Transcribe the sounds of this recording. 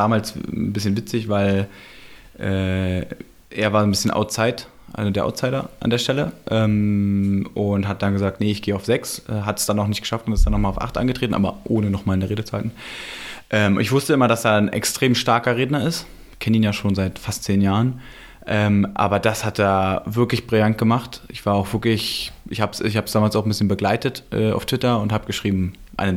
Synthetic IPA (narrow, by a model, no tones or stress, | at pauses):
d̥aːmaːlsbɪsçənvɪt͡sɪçv̥aɪl | ʔɛː | ʔḛːɐvaːɐzonbɪsçənʔa̰ʊtt͡saɪt | ʔa̰lzodeːɐʔa̰ʊtt͡saɪɾɐʔa̰ndeːɐʃtɛləʔɛːm | ʊnthat̚d̥anɡəzaːk̚tnəɪçɡ̥eːəaʊfz̥ɛksʔɛːɦatɛ̥sd̥anaʊxnɪçt̚ɡə̥ʃaftʊntɪsd̥anːɔχmaːlaʊfʔa̰χtʔa̰nɡətʁ̥eːtn̩ʔa̰ːbɐʔoːnənɔχmaːlnəʁeːdət͡suhaɪtn̩ | ʔɛːmʔɪ̰çv̥ʊstəɪmɐdasd̥aːnʔɛ̰kstʁ̥eːmʃtaɐkɐʁeːdnɐɪst | kʰɛnəiːnjaːʃoːnzaɪtfastt͡seːnjaːʁən | ʔɛːmʔa̰ːbɐd̥ashatdaːɐvɪɐklɪçb̥ʁɪljant̚ɡ̥əmaχtʔɪçv̥aːɐaʊxv̥ɪɐklɪçʔɪçhaːbsçhaːbəsd̥aːmalsaʊxm̩bɪsçənbəɡlaɪtətʔɛ̰ːa̰ʊftv̥ɪtɐʊnthaːbəɡ̥əʃʁ̥iːbm̩ʔa̰ɪnə